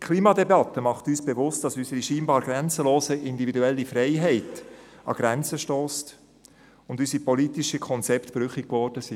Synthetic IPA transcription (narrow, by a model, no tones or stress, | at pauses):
kʰliːmɑdebɑtəmɑχtyːsb̥evʊst̚d̥ɑsysəɾiʃiːnbɑːɾɡ̥ɾɛnt͡səloːsəʔɪndividuɛlːifɾɛɪɦɛɪt | ɑ̰ɡ̥ɾænt͡səʃtoːst | ʊndysipɔlitiʃəkʰɔnt͡sɛptb̥ɾʏχikkvɔɾd̥əsi